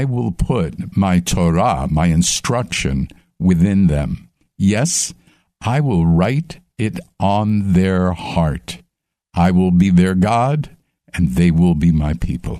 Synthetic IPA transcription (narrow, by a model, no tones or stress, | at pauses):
ɪwɪlˠpʰʊt̚maɪtʰɔɹa̰maɪɨ̃nstɹ̥ʌkʃɨ̰̃n | wɪθɪ̃nðɨ̰̃m | jɛs | ʔaɪwɪlˠɹaɪɾ | ɪɾn̩ðə˞hɑɹt | ʔaɪwɪlˠbiðə˞ɡɑd | ɨ̃nðeɪwɪlˠbimaɪpʰipʰə̰l̩ˠ